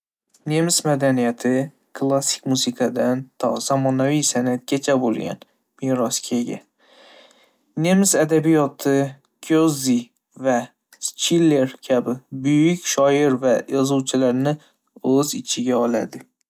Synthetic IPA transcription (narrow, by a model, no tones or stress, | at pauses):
ne̞msmad̪anijat̪ʰɪ | kʰlˠasɪ̥kʲmuzɪkʰɑd̪ant̪ʰz̥ɒmɒnavijsanat̪̚kʲat͡ʃʰabolˠɡʲa̰n | miɾɒskʲʰeɡʲa̰ | nemsad̪abijɒt̪ʰɪ | kʲʰozi | va | st͡ʃʰilːe̞ɾkʲʰabɪbʊjɪkʲʃɒɪɾvajɒzuwt͡ʃʰɪlaɾnɪ | ɵzɪt͡ʃʰɪɡʲaɒla̰d̪ɪ